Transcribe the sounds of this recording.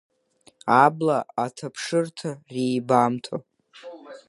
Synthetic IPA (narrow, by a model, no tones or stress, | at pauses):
ablaatʰapʰʂɨrtʰarejbamtʰa